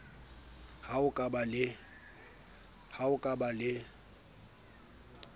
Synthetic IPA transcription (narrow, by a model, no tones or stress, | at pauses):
haʊkʼabalɪ | haʊkʼabalɪ